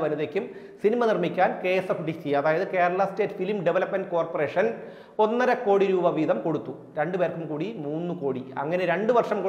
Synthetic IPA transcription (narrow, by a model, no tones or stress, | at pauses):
ʋɐluðekʲːum | sinimɐnirmikʲːaːnke̞ːsɐfɖit̪ijɐðaːjɐðɨke̞ːɾɐɭɐste̞ːtːfilmɖeʋɐlɐpmɐnɖko̞ːrpore̞ːʂɐn | o̞nːɐɾɐko̞ːɽiɾuːbɐʋiːðɐmko̞ɽut̪ːu | ɾe̞ɳɖɨpe̞ːrkːumkuːɽimuːnːuko̞ːɽiɐ̰ŋːɐneɾe̞ɳɖɨʋɐrʂɐmko